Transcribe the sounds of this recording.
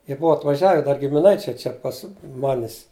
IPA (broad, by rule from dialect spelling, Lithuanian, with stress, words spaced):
jiɛ ˈbʊɐ ɐtʋɐˈʒʲæːʋʲɛ dɐr ɡʲɪmʲɪˈnɐɪt͡ʃʲɛɪ ˈt͡ʃʲɛ pɐs ˈmɑːnʲɪs